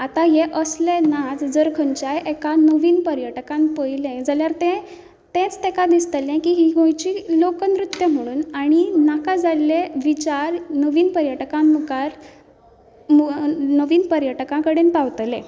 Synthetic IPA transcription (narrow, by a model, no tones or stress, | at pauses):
at̪ajeʔəslenad͡zd͡zəɾkʰəɲt͡ɕajʔekanəʋiːnpəɾjəʈkãmpəjlẽd͡zaljaɾt̪ɛ̃ | t̪ẽt͡st̪ekad̪ist̪əlɛ̃kiɦiːɡõjt͡ɕilokənɾut̪jəm̤əɽ̃uːnaɽ̃inakad͡zaleʋit͡ɕaɾnəʋiːnpəɾjəʈkãmmukaɾ | mnəʋiːnpəɾjəʈkãkəɽenpaʋt̪lẽ